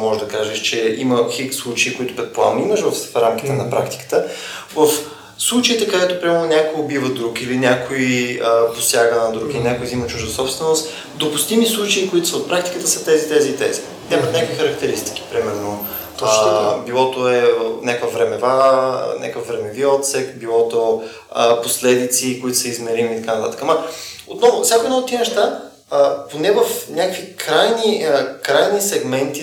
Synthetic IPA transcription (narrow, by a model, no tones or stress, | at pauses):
mɔʒɛd̪ɐkaʒɛʃt͡ʃɛiməxikslˠut͡ʃeikoit̪ʊ̥pɾɛt̪̚poa̰miməʃvəfɾamk̟it̪ɛnɐpɾa̰kt̪i̥kə̥t̪əvəf | slˠut͡ʃəit̪ɛkəd̪ɛt̪ʊpɾimɛɾnonʲakoobivəd̪ɾukilinʲjakoiiəposjaɡənɐd̪ɾukilinʲakoizimɐt͡ʃuʒd̪əsɔpst̪vɛnost̪ | d̪opust̪imislˠut͡ʃɐikoit̪ʊsəot̪pɾakt̪i̥kət̪əsət̪ɛzit̪ɛziːt̪ɛ̰zi̥ | nʲamət̪nʲakvixəɾək̚t̪ɛɾist̪i̥k̟i̥pɾimɛɾno | bilˠɔt̪oɛnʲakvəvɾɛmɛva̰nʲʔa̰kəfvɾɛmɛviɔt̪sɛkbilˠɔt̪o | əposlɛd̪it̪sikoit̪ʊsəizmɛɾimiːt̪ɐkanət̪a̰t̪ə̥kəmɐot̪nɔvʊsʲakoɛd̪nɔot̪ːiɛnɛʃt̪a | əponɛvəfnʲakəkvikɾajniəkɾajnisɛɡmɛnt̪i